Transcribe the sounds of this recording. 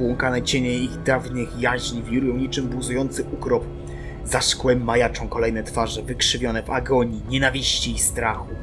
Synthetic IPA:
wɔŋkanat͡ɕeɲejiɣd̪avnɘxjaʑɲʲivʲiɾujɔ̃w̃ɲit͡ʂɘmbuzujɔnt̪sɘukɾɔp | zaʂkwɛmːajat͡ʂɔ̃w̃kɔlɛjnɛt̪faʐɛvɘkʂɘvʲjɔnɛva̰ɡɔɲiɲɛnavʲiɕt͡ɕiːst̪ɾaxu

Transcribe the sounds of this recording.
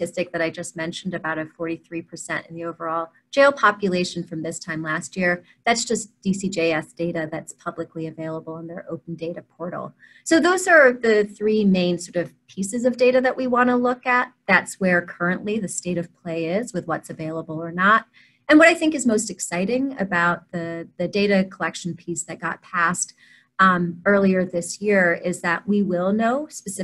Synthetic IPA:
ɪstɨk̚ðɨɾaɪd͡ʒʌst̚mɛ̃nʃn̩dɨbaʊɾʌ̥fɔɹɾiθɹipʰə˞sɛ̰̃ñɨ̰̃n̩ðioʊvə˞ɔlˠ | d̥d͡ʒ̥eɪlˠpʰɑpjɨleɪʃɨ̃n̩fɹʌ̃mðɪstʰãɪ̃mlæst̚jɪɹ | ðætsd̥ʒ̥ʌsd̥isid͡ʒeɪɛsd̥eɪɾɨðɨtspʰʌbləkliɨveɪlˠəbl̩ˠə̃nðə˞ʔoʊpn̩deɪɾɨpʰɔɹɾl̩ˠ | soʊðoʊzə˞ðɨθɹimẽɪ̃nsɔɹɾʌv̥pʰisɨzʌvdeɪɾɨðɨʔwʔiwɑ̃nəlʊkɨt̪̚ðætswə˞kʰɜ˞ɨ̃nʔliðɨsteɪɾʌv̥pʰl̥eɪɪzwɨðwʌtsɨveɪlˠəbl̩ˠə˞nəɾ | ɨ̃nwʌɾaɪθɪ̃ŋkɨzmoʊstɨksaɪɾɪ̃ŋɨ̰baʊt̪̚ðɨðɨdeɪɾɨkʰəlɛkʃn̩pʰisðɨt̚ɡ̥ɑ̰t̚pʰæst | ɜ˞lˠiə˞ðɪsjɪɹɪzðɨʔ̚wiwɪlˠnoʊspɨsɪ

